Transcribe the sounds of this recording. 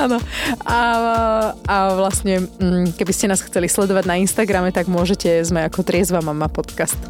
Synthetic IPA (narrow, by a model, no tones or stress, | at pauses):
aːnɔa | aʋlasɲɛm̩ːkɛbiscɛnaːsxt͡sɛlislɛd̪ɔʋaɟnainst̪aɡɾamɛt̪aɡmʊɔʒɛcɛzmɛakɔt̪ɾɪɛzʋamamapɔt̪kast̪